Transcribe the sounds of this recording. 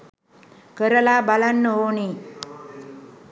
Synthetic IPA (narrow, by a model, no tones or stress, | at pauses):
kəɾəlabalanːəɦoni